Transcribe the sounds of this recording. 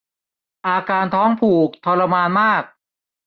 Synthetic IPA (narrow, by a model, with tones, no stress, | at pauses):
ʔaː˧kaː˧nt̪ʰɔː˦˥ŋpʰuː˨˩k̚t̪ʰɔ˧la˧maː˧nmaː˥˩k̚